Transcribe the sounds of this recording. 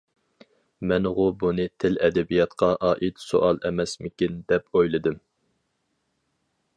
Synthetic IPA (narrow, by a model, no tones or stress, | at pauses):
mɛnʁʊbunɨt̪ʰɪlɛd̪ɛbijɑt̪qʰɑʔɑːʔit̪so̰ʔɑlˠɛmɛsmɪkʲind̪ɛpʰojlˠɨd̪ɨm